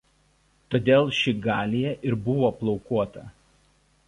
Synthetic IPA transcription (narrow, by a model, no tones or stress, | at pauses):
t̪oːd̪ʲeːlˠʃʲɪɡɑːlʲijɛʔɪɾbʊʋoːplˠɔʊkuɔt̪ɐ